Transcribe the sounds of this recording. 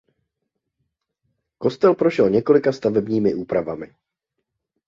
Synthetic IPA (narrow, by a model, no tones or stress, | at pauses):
ko̞st̪ɛlpɾo̞ʃɛlɲɛko̞lɪkast̪avɛbɲiːmɪʔuːpɾavamɪ